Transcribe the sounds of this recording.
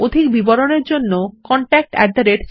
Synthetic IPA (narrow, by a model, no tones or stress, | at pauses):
od̪ʱikbiboɾoneɾd͡ʑonːokɔɳʈɛk̚ʈɛ̰ɖd̪aɾeʈ